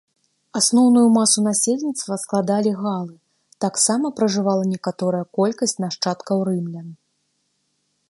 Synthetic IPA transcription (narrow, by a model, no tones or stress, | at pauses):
asnɔwnujumasun̪asʲelʲnʲit̪st̪vɐsklˠad̪alʲiɣalˠɨ | t̪aksamɐpɾɐʐɨvalˠɐnʲɛkat̪ɔɾɐjɐkɔlʲkɐsʲt͡sʲnaʂt͡ʂat̪kɐwɾɨmlʲɐ